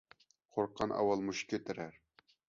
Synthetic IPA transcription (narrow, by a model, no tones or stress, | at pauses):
qʰoɾqʰːɑnʔɑ̰wɑlˠmuʃkʲʰet̪ʰɪɾæɾ